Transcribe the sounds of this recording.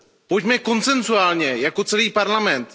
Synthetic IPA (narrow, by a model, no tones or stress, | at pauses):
pocmɛko̞nt͡sɛnzuaːlɲɛjako̞t͡sɛliːpaɾlamɛnt̪